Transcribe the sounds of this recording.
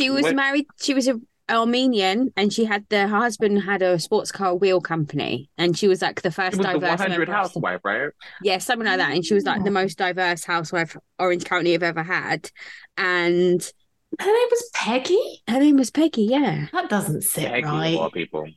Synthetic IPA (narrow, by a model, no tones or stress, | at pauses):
ʃiwɒzzmæɹɪd̥ʃiwɒzə | ɑːmĩːniə̃nə̃nʃiəd̪̚ðəə˞hʌzbə̃ndəɾəspɔˑtskʰɑːwiːlˠkʰʌ̃mpənḭʔə̃nʃiwɒzlaɪk̚ðəfɜˑsddaɪvɜˑsmɪdhaʊswḛɪvɹa̰ɪt̚jɛsʌ̃mɪ̃ŋlaɪʔ̚ðətə̃nʃiwɒzlaɪk̚ðəməʊsd̥aɪvɜˑshaʊsweɪvɔɹɪ̃nd͡ʒ̥kʰʌ̃pəniɨvɛvəɦə̰d̥ʔə̃n | hənẽɪ̃mwʌz̥pʰɛɡihənẽɪ̃mwɒz̥pʰɛɡijæðət̚d̥ʌzə̃n̩tsɪʔɛɹaɪʔpʰḭpl̩ˠ